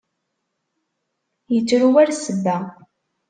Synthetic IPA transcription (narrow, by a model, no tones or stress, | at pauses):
jət͡sːɾuwæɾsəbːæ